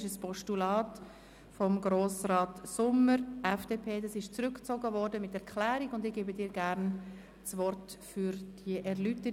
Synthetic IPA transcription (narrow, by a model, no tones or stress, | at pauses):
ʃəspʰɔʃtulɑːt | fɔmɡɾoːsɾɑːtsʊməɾʔɛfd̥eːpʰeːdɑsɪʃt͡sɾʏkt͡soɡəvɔɾdəmɪtɛɾkʰlæːɾiɡʊndɪɡ̥eːbədɪːɾɡæɾn | t͡svɔrtfyɾd̥iəʔɛɾlytə